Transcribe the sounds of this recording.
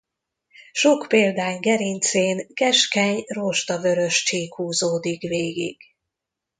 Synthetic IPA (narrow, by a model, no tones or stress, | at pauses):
ʃokpeːld̪aːŋɡɛɾint̪seːnkɛʃkɛɲroʃt̪ɒvø̞ɾøʃt͡ʃiːkhuːzoːd̪ikveːɡḭɡ̥